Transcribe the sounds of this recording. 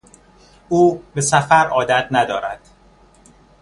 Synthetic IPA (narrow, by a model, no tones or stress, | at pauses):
uːbe̞sæfæɾɒːd̪æt̪̚ʰnæd̪ɒːɾæd̪̥